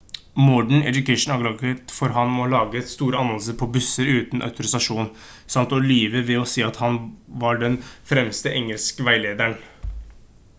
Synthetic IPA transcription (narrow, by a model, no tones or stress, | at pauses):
mɔɖɳ̩ɛ̰d̪ʉkʰæɪʂn̩ɑɡlɑɡət̪fɔɾɦɑnmɔlɑːɡəst̪uːɾəɑnɑləsəɾpʰɔbʉsːəɾʉːt̪nʔœ̰ʉt̪ʰʊɾɪsɑʂuːn | sɑmt̪ɔliːʋəʋɛɔseːɑt̪hɑnʋɑɖɛnfɾɛmst̪əʔɛŋəlskəʋæɪleːd̪æɳ